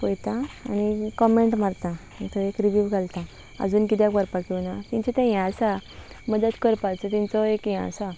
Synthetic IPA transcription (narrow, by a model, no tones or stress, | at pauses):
pojt̪ãa̰ñikɔmeɳʈmaɾt̪ã | it̪ʰəekɾiʋjuʋɡʱalt̪a | ə̰d͡zuːnkit̪jakəɾpakiwnat̪ĩɲt͡ɕɛt̪ɛ̃jɛ̃sa | məd̪ət̪kəɾpat͡sət̪ĩnt͡sɔekjɛ̰̃sa